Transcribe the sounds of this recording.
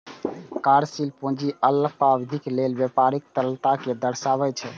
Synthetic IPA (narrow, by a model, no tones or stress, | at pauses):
kaɾsilpõd͡ʒiʔələɡ̚pabd̪ʱiklelbjepaɾik̚t̪əɾəlt̪aked̪əɾsabɛt͡ʃʰɛ